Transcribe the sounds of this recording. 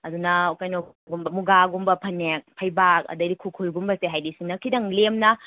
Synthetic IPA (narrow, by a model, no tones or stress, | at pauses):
ɐdunɐukajno | ɡumbɐmuɡaɡumbɐpʰɐnek̚pʰɐjbak̚ɐ̰dɐdikʰukʰujɡumbɐseɦajdisiŋnɐkʰidɐŋlemnɐ